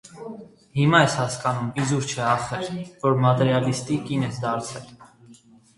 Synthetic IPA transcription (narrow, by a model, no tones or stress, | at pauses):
himɑɛshɑskɑnumizuɾt͡ʃʰɛɑχɛɾvɔɾmɑt̪ɛɾjɑlist̪ikinɛsd̪ɑɾt͡sʰɛl